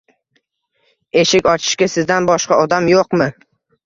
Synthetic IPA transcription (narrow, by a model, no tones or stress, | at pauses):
e̞ʃɪkʲɒt͡ʃʰɪ̥ʃkʲasɪzd̪anbɒʃqɑɒd̪amjoqmɪ